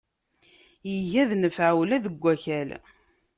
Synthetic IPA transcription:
jəʝæðnəfʕawlæðəɡʷːæçæl

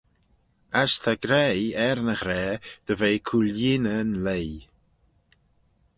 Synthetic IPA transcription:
ast̪ʰaɡɾɛjɛɾnəxɾɛːd̪̥əvejkʰuljɪnənlej

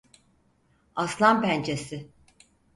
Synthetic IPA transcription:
aslˠampʰænt͡ʃʰesɪ

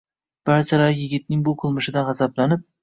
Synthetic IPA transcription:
b̥aɾt͡ʃʰalaɾjɪɡʲɪt̪̚nɪŋbʊqʰɨlˠmɪʃɪd̪anʁazablanɪp̚

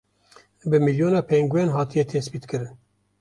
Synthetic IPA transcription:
bɨmiljoːnɑːpʰɛŋɡwɛnɦɑːt̪ʰijɛt̪ʰespiːt̪kʰɨɾɨn

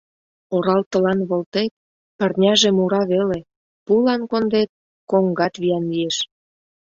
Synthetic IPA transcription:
oɾɑlt̪ə̆lɑnβolt̪et̪̚ | pə̆rnʲɑʒemuɾɑβele | pulɑnkond̪et̪̚ | koŋɡɑt̪βijɑnlieʃ

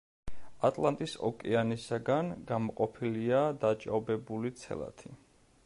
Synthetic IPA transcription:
at̪ʼlˠant̪ʼisɔ̰kʼɛanisaɡanɡamɔqʼɔpʰiliad̪at͡ʃʼa̰bɛbulit̪sʰɛ̰lˠa̰t̪ʰi

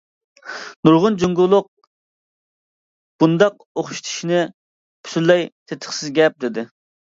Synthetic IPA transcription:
nuɾʁʊnd͡ʒuŋɡulˠʊq̚ | b̥und̪ɑq | oχʃi̥t̪ʰi̥ʃinɪ | pʰy̥sylːɛjt̪ʰet̪ʰə̥χsɪzɡʲɛp̚d̪ɪd̪ɪ

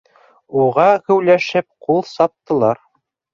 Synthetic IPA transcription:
uʁɑhɵ̆wlæʃɘp̚qulˠsɑp̚t̪ːɤ̆lˠɑɾ

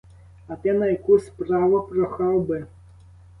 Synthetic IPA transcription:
ɐt̪ɛnɐjakuspɾavɐpɾɔxawbɨ

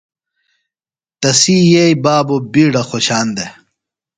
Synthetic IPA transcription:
t̪ɐsiːjejbaːbobiːɖɐxoɕaːnd̪e

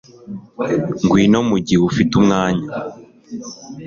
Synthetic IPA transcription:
ŋɡwiːnomuɟiufitumŋaːɲa

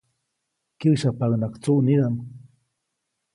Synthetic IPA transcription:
kiʃapaŋnakt͡suniɾam

